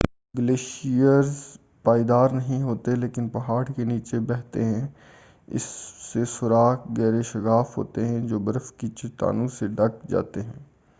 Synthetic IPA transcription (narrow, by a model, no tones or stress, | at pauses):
ɡəleːʃijəɾz | paːid̪aːɾnɐɦĩɦoːt̪eleːkɪnpɐɦaːɽkeniːt͡ʃebɛːɦt̪eɦɛ̃ː | ɪ̰sːesʊɾaːkɡɛːɾeʃəɡaːfɦo̰ːt̪eɦɛ̃d͡ʒoːbəɾəfkit͡ʃɪt̪a̰ːnũseɖɐkd͡ʒa̰ːt̪eɦɛ̃ː